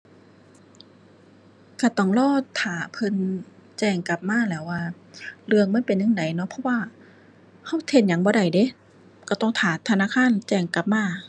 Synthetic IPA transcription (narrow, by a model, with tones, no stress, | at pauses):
kaː˧˩t̪ɔ˧˩ŋlɔː˧˥˨t̪ʰaː˨˩˦pʰɤ˧˥˨nt͡ɕɛː˧˩ŋka˨˧˦p̚maː˧˥˨lɛː˧˩wːaː˧˩ | lɯ˧əŋma˧˥˨npe˨nːɯ˧˥˨ŋda˨˦jnɔ˧˥pʰɔ˧˥˨waː˧˨ | ha˧˥˩wt̪ʰe˧˩n̚ɲa˨˦ŋbɔː˧˦ɾa˧˨˩jde˧˦ | ka˧˩t̪ɔ˧˩ŋt̪ʰaː˨˦t̪ʰːa˧naː˧˥˨kʰaː˧˥˨nt͡ɕɛː˧˩ŋka˧˦p̚maː˧˥˨